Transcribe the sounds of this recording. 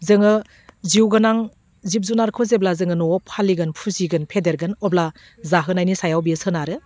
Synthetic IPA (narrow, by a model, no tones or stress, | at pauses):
zɯŋɯ | ziwɡɯnaŋ | zip̚zunaɾkʰɯzeblazɯŋɯnɔɔpʰaliɡɯnpʰuziɡɯnpʰedeɾɡɯnɔbla | zaɦɯnajnisajawbiɯsɯnaɾɯ